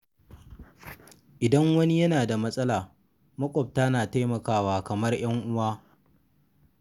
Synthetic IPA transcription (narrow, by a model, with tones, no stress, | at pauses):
ʔɪ˨dɐ˦ŋwɐ˦ni˦jɐ˦naː˨da˨mɐ˦sʼɐ˦laː˨ | mɐ˦kʷʼɔ˨p̚ta˦naː˨ta˦jmɐ˨kaː˦waː˨kɐ˨mɐ˦rj̰ɐ˦ŋʔʊ˦waː˦